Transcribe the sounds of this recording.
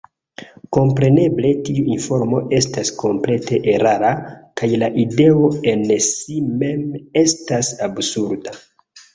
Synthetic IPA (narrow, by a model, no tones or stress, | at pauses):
ko̞mpɾe̞ne̞ble̞tiuinfo̞ɾmo̞ʔe̞staskʰo̞mple̞te̞ʔeɾaɾakajlaʔide̞o̞e̞nsime̞mestasabsuɾda